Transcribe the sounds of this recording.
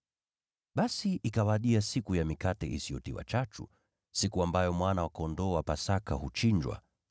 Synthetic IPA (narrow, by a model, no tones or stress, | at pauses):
ɓasiʔikawaɗiasikujamikatɛʔisiɔtiwa̰t͡ʃat͡ʃṵ | sikuambajɔmwanawakaɔndɔapasakahut͡ʃiɲd͡ʒwa̰